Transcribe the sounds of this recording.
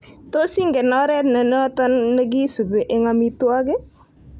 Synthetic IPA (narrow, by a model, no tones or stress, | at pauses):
t̪osiŋɡɛnaɾɛt̪nənət̪ənːəɡisubɛʔeŋamit̪uaɡe